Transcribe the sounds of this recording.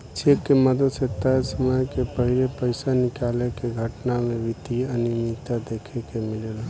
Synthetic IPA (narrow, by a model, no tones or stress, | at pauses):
t͡ʃʰeːkːeməd̪əd̪set̪aesəməjkepəɦɪlepəɪsanɪkaːlekeɡʱəʈnamẽʋɪt̪iənɪmit̪ad̪eːkʰekemɪleːla